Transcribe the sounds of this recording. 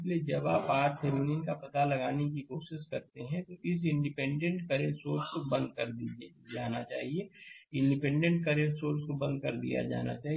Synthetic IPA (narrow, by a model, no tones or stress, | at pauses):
led͡ʒɐbaːpaːɾpʰeːmɪnɪnkapɐt̪alɐɡaːnek̬ikoːʃɪʃkɐɾt̪eɦɛ̃t̪oʔɪs̬ɪ̃ɳɖɪpɛ̃ːɳɖə̃ɳʈkɐɾeɾsoːɾskobɐ̃nd̪̚kɐɾd̪i | d͡ʒaːnat͡ʃa̰ːɦieɪ̃ɳɖɪpɛ̃ɳɖə̃ɳʈ̚kɐɾeɾsoːɾskobɐ̃nd̪̚kɐɾd̪ḭja̰d͡ʒa̰ːna̰t͡ʃaːɦi